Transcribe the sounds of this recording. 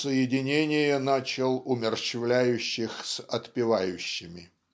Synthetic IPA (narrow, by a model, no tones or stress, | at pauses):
səjɪdʲɪnʲenʲɪjənat͡ɕɪlˠʊmʲɪrɕɪvlʲæjʉɕːɪxsɐt̪pʲɪvajʊɕːɪmʲɪ